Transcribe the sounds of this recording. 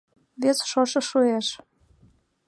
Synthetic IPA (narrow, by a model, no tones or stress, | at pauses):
βesʃoʃɤ̆ʃueʃ